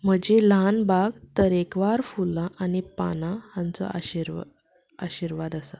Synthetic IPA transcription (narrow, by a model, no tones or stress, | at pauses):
m̤əd͡ʑelanbaɡt̪əɾekʋaɾfulaʔanipa̰naant͡sɔ̰aɕiɾ | a̰ɕiɾʋad̪asa